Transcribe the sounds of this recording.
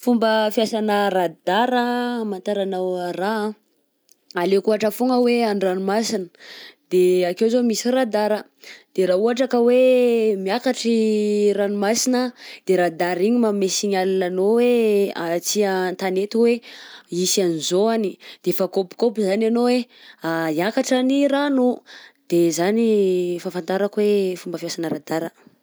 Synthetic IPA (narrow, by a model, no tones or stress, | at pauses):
fumbəfjasanərad̪̥aɾəmant̪aɾanawra | alekuaʈ͡ʂəfuŋəweaɳɖ͡ʐanumasinəd̪̥eakewzomisirad̪aɾə | d̪̥eɾauaʈ͡ʂakəwemiakaʈ͡ʂiranimasinəd̪̥eɾad̪aɾiɲimamesiɲalananoweat͡siənt̪anet̪iweisanizoanid̪̥efakopi̥kopizananoweajakaʈ͡ʂaniɾanud̪̥ezanifafant̪aɾakwefumbəfiasanəɾad̪aɾə